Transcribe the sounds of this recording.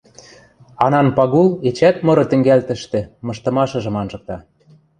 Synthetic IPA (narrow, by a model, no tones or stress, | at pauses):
ɑnɑnpɑɣulet͡ɕæt̪mɤ̆ɾɤ̆t̪ɘ̆ŋɡælt̪ə̆ʃt̪ĕmɤ̆ʃt̪ɤ̆mɑʃɤ̆ʒɤ̆mɑnʒɤ̆k̚t̪ɑ